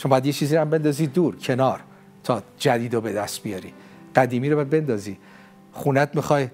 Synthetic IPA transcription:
t͡ʃʰombɒjæd̪jet͡ʃʰiːziːæmbe̞nd̪ɒziːd̪uːɾcʰe̞nɒːɾ | t̪ʰɒːd͡ʒæd̪iːd̪obe̞d̪æst̪̚bijɒːɾḭː | ɢæd̪iːmiːɾoɒjæd̪̚be̞nd̪ɒːziː | χuːnæt̪̚mixɒːj

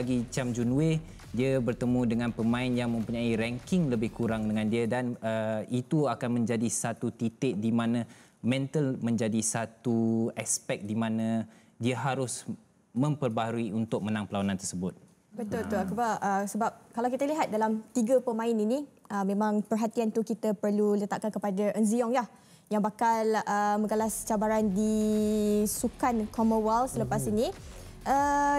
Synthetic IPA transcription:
aɡit͡ʃamd͡ʒunue | diabərt̪əmũdəŋãnpəmãɪnjaŋmə̃mpuɲaiɾɛŋkɪŋləbɪhkuɾaŋdəŋãndiədanəit̪uakanmə̃ɲd͡ʒadisat̪ut̪it̪ɪʔdimãnãmɛ̃nt̪əlmə̃ɲd͡ʒadisat̪uɛspɛk̚dimãnã | diəɦaɾʊs | mə̃mpərbaɦaɾuiunt̪ʊk̚mənãŋpəlawanãnt̪ərsəbʊt̪̚ | bət̪ʊlt̪ukəbaʔəsəbap̚kalawkit̪əliɦat̪̚dalamt̪iɡəpəmãɪnini | ʔəmẽmãŋpərɦat̪iant̪ukit̪apərlulət̪aʔkankəpadaʔənziɔŋlah | jaŋbakaləməɡalast͡ʃabaɾandi | sukankɔməwalsələpasiniʔə

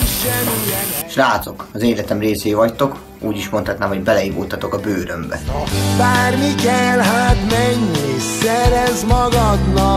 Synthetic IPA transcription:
ʃraːt̪so̞kɒzeːlɛt̪ɛmreːseːjvɒct̪o̞k | uːɟiʃmo̞nt̪hɒt̪naːmɦo̞ɟbɛlɛivoːt̪ɒt̪o̞kɒbøːɾømbɛ̰baːrmikɛlɦat̪mɛɲːesɛɾɛzmɒɡɒd̪nɒ

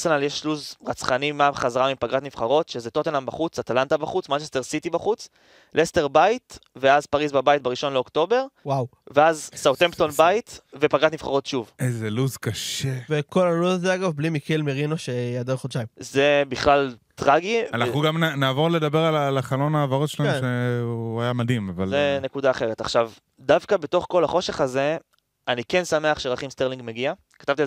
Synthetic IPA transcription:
senaljeʃluzʁat͡sχanimabχazaʁamimpaɡatnifχaʁo̞t̪ʃezet̪ot̪enambaχut͡sat̪alant̪abaχut͡smant͡ʃest̪e̞ʁsit̪ibaχut͡s | lʔesteʁbait̪veazpaʁizbabait̪̚beʁiʃo̞nleo̞kto̞be̞ʁwawveazsawt̪empt̪o̞nbait̪vepaɡat̪nmiv̥χa̰ʁo̞tʃuvezeluzkaʃeveko̞lalodazeaɡavblimikilmeʁinoʃejad̪oχod̪ʃajmzebiχlal | t̪ʁaɡianaχnuɡamnanaːvo̞ʁledabeʁalalaχalo̞naːvaʁotʃelaemʃeajamad̪himavalzene̞kudaːχe̞ʁet̪a̰χʃav | d̪avkabeto̞χko̞laχo̞ʃe̞χaze̞ | anike̞nsameaχʃeʁaχimst̪eʁliŋɡmeɡia | kat̪avt̪i

